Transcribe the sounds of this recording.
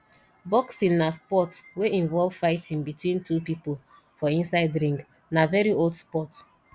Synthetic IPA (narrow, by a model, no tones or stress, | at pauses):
bɔksĩnːaspɔtweʔĩɱvɔlv̥faɪtʰĩŋbitwĩntʰupipol | fɔĩnsaɪdɹĩŋk | navɛɹiolˠdspɔt